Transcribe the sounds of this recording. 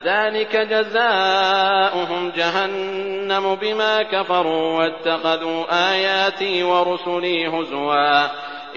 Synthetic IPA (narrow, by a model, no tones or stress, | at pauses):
ðaːlɪkad͡ʒazaːʔʊɦʊmd͡ʒaɦanːamʊbɪmaːkafɑɾˤuːwat̪ːaxɑðuːʔaːjaːt̪iːwɑɾʊsʊliːɦʊzwaː | ʔ